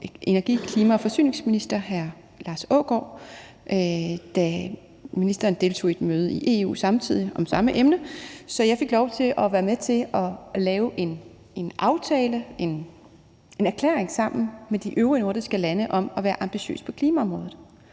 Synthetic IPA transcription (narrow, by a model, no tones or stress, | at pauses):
ʔe̝næɐɡ̥ḭːkʰliːmæɒ̽fɒ̽sy̰ːne̝ŋsminisd̥ɐɦæɐ | lɑ̈ːsɔ̰ːɡ̥ɒ̰ː | ʔd̥æ | minisd̥ɐːnd̥e̝lt͡sʰo̝̰ːe̝d̥møːð̞ˠəiʔe̝̰ːṵːsɑ̈mt͡sʰið̰ˠiʔɒ̽msɑ̈məʔemnəsɒ̽jɑɪfe̝ɡ̥lɒʊt͡sʰe̝ʔɒ̽ʋæːɐmet͡sʰe̝ɒ̽lɛːʊʔe̝n | e̝nʔɑ̈ʊt͡sʰɛːləe̝n | e̝næɐkʰlḛːʁeŋsɑ̈m̰n̩med̥iʔøʊʁino̝ɐd̥isɡ̥əlænəʔɒ̽mɒ̽ʋæːɐʔɑ̈mb̥iɕø̰ːs̚pʰɒ̽kʰliːmæɒ̽mʁɔ̽ːðð̩ˠ